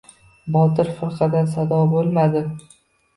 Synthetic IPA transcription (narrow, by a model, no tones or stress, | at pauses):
bɒt̪ɪɾfʊɾqɑd̪ansad̪ɒbolˠmad̪ɪ